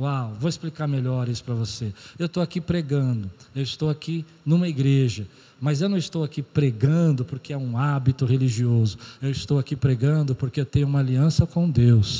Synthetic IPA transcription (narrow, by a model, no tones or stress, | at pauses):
wawvowɪsplikaɾmeʎɔɾisʊ̥pɾɐvoseewt̪owakipɾeɡɐ̃d̪ʊewɪst̪owaki | nũmɐiɡɾeʒɐ | mɐzewnɐ̃w̃st̪owakipɾeɡɐ̃d̪ʊpoɾkeɛũabit̪ʊɦeliʒiozʊewɪst̪owakipɾeɡɐ̃d̪ʊpoɾkeewt̪ẽɲ̃ʊũmɐaliɐ̃sɐkõw̃d̪ews